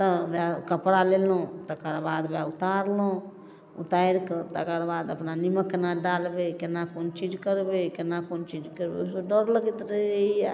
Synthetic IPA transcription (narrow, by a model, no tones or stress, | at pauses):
t̪əbjakəpɾalelõt̪əkaɾbaːd̪baut̪aɾlõ | ṵt̪aiɾkt̪əkəɾbaːd̪əpnaniməkːnaɖalbekenakoːnt͡ʃid͡ʒkəɾbekenakont͡ʃid͡ʒkəɾbḛsoɖəɾləɡit̪ɾəia